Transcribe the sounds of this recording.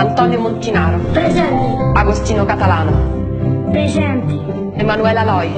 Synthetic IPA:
ant̪ɔːnjomont̪inaːɾopɾezɛnt̪iaɡost̪iːnokat̪alaːno | pɾezɛnt̪i | emanuɛlalɔːj

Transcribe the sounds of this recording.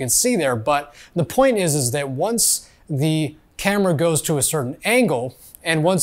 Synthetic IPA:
ɨ̃nsiðə˞bʌt̪̚ðəpʰɔ̃ɪ̃ntɪzɨzðɨt̚wʌ̃ns | ðɨ | kʰæmə˞əɡoʊz̥tʰəːsɜ˞ʔn̩æ̃ŋɡl̩ˠ | ɨ̃nwʌ̃n

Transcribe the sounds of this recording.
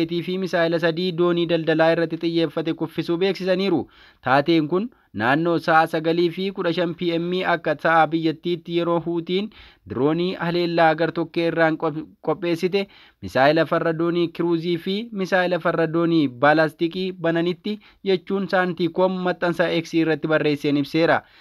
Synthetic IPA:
t̪iːfɪmɪsaːɪlɐs̬ɐd̪iːd̪o̞ːniːd̪ɐld̪ɐlaːɪrːɐt̪ːɪt̪ʼɪjːe̞ːfːɐt̪ɛkʊfːɪsuːbe̞ːksɪsɐniːɾʊ | t̪aːt̪e̞ːŋkʊnː | aːnːo̞ːsɐʔasɐɡɐliːfɪkʊᶑɐʃɐnpiːɛmːiːɐkːɐsɐʔaːbɪjːɐt̪ːiːt̪ːɪjɛɾo̞ːɦuːt̪iːnd̪ɪɾo̞ːniːʔɐle̞ːlːaːɡɐɾt̪ɔkːeːɪrːaːŋkʼɔpʼːe̞ːsːɪt̪̬ɛ | mɪsaːɪlɐfɐrːɐd̪o̞ːniːkɪɾuːziːfɪmɪsaːɪlɐfɐrːɐd̪o̞ːniːbaːlast̪ɪkʼiːbɐnɐnɪt̪ːɪ | d͡ʒɛt͡ʃːuːnsaːnt̪iːkoːmːɐt̪ʼːɐnsɐʔɛksiːɪrːɐt̪ːɪbɐrːe̞ːsːeːnɪbse̞ːɾɐ

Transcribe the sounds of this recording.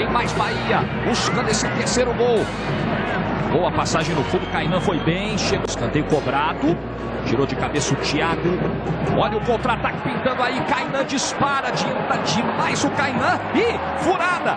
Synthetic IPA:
ẽj̃majzbaiɐ | buskɐ̃d̪est̪eɾsejɾʊɡow | ɡowɐpasaʒẽj̃d̪ʊfũd̪ʊkajnɐ̃fojbẽj̃ʃeɡʊɪskɐ̃nt̪ejʊkobɾad̪ʊ | t͡ʃiɾowd͡ʒɪkabesɐʊt͡ʃiaɡʊɔʎɐʊkõt̪ɾat̪akɪ̥pĩnt̪ɐ̃nd̪ʊaikajnɐ̃d͡ʒispaɾɐd͡ʒiɐ̃t̪ɐd͡ʒĩnʊmajzʊkajnɐ̃ɪ | fuɾad̪ɐ

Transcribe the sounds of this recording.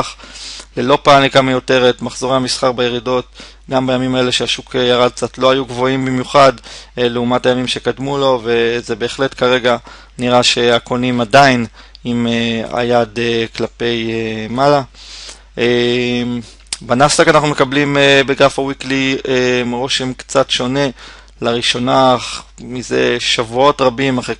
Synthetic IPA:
χlelo̞paːmlikamajo̞te̞ʁetmaχzoʁehamisχaʁbajeʁido̞t | ɡambajamimae̞le̞ʃeaʃukʰejaʁad̚k̚t͡satlo̞ajuɡvo̞imbimjuχadeleumathajamimʃe̞kadmulo̞ve̞zebe̞ːχle̞tkaʁe̞ɡa | niʁaʃe̞ako̞nimadain | imea̰jadeklape̞jemala | em | banafsakanaχnume̞kablimebeɡʁafawikliemʁo̞ʃemkt͡satʃo̞ne̞ | laʁiʃo̞naχmize̞ʃavuo̞tʁabimaχe

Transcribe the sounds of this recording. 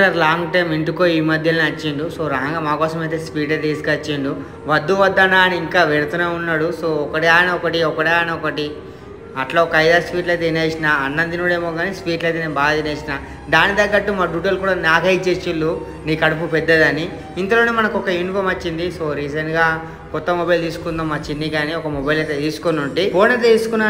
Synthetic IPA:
ɐɾlaːŋɡʈɐjmiɳʈukoːiːmɐd̪ʱjɐlniɐt͡ʃːiɳɖusoːɾɐɦɐŋɡaːmaːkɔːsɐmɐjt̪eːspiːʈɐt̪eːsi̥kɐt͡ʃːeɳɖu | ʋɐd̪ːuʋɐd̪ːanaːɐniiŋkaːʋeɽut̪unaːunːaːɽusoːɔkɐʈiaːjnɐɔkɐʈiɔkɐʈiaːjnɐɔkɐʈi | ɐʈloɔkɐjd̪aːspiːʈlɐjt̪eineːsinaːɐnːɐnd̪inuːɽe̞ːmoːɡaːnispiːʈlɐjt̪̬eneːbaːd̪ineːsinaː | d̪aːnid̪ɐɡːɐʈːumaːɖuːʈɐlkuːɽaːnaːɡʱɐit͡ʃeːt͡ʃilːu | niːkɐɽup̬upɛd̪ːɐd̪ɐni | int̪ɐloːneːmɐnɐkɔkɐinfomɐt͡ʃːind̪isoːɾiːd͡ʒenɡaː | kɔt̪ːɐmɔbɐjlt̪iːsu̥kund̪ɐːmːaːt͡ʃinːiɡaːniɔkɐmɔbɐjlɐjt̪et̪iːsu̥konuɳʈipoːnet̪iːsu̥kunːa

